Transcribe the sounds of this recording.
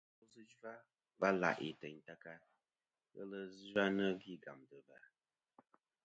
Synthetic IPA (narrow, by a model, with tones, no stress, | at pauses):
o˦zɨ˦d͡ʒa˦ | va˦la̰˨ʔḭ˨tə˨ɲta˦ka˦ | ɣə̰˦lə˦za˦nə˦vi˦ɡa̰˨mdə˨va˦